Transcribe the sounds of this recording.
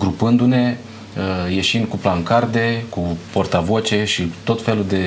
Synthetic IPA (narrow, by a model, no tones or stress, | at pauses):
ɡɾupɨnd̪une̞ | əje̞ʃind̪̚kuplaŋkard̪e̞kupo̞rt̪avot͡ʃe̞ʃit̪o̞t̪fe̞lud̪e̞